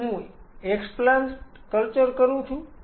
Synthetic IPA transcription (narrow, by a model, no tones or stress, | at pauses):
ɦũ | eksplanʈ | kəlt͡ʃəɾkəɾũt͡ʃʰũ